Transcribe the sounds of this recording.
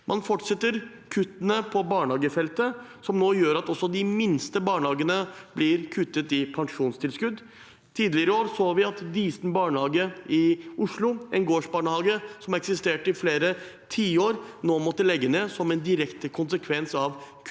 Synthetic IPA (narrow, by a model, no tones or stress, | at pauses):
mʔɑnfɔʈʂɛt̪ːəɾ | kʰʉt̪ːənəpʰɔbɑːɳhɑːɡəfɛlt̪ə | sɔmnoːjøːɾɑt̪ɔsːɔd̪ɪmɪnst̪əbɑːɳhɑːɡənəb̥lɪɾkʰʉt̪ːət̪ɪpʰɑŋʂuːnst̪ʰɪlskʉd̪ | t̪ʰiːd̪əlɪəɾəoːɾsoːʋɪɑt̪d̪iːsn̩bɑːɳəhɑːɡəɪʊʂlʊɛnɡoːʂbɑːɳəhɑːɡəsɔmɛksɪst̪eːʈəɪfleːɾə | t̪ʰiːoːɾnoːmɔt̪ːəlɛɡːəneːsɔmɛnd̪ɪɾɛkt̪əkʰʊnsəkʰʋɛnsɑʋkʰ